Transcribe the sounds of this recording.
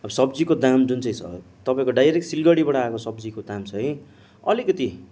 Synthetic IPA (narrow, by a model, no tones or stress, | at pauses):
ʌbʌsʌbd͡zikod̪amd͡zunt͡sʌĩt͡sʰʌ̰ | t̪ʌpãĩkoɖajɾek̚ʈsilɡʌɽibʌɽʌaekosʌbd͡zikod̪amt͡sʰʌɦʌ̃ | ʌ̰likʌt̪i